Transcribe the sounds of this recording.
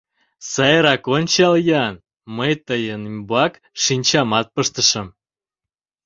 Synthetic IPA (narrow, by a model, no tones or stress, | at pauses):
sɑjɾɑkonʲt͡ɕɑljɑn | məjt̪əjənmbuɑk | ʃinʲt͡ɕɑmɑt̪̚pəʃt̪əʃə̆m